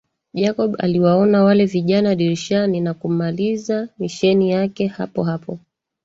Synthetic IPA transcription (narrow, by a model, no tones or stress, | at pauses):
ʄakɔɓa̰liwaɔnawalɛviʄanaɗiɾʃaninakum̩malizamiʃɛnijakɛha̰pɔɦapɔ